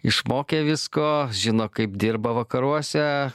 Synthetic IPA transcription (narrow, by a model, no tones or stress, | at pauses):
ɪʃmoːkʲeːʋʲɪskoːʒʲɪnoːkɐɪpd̪ʲɪɾbɐʋɐkɐɾuɔsʲɛ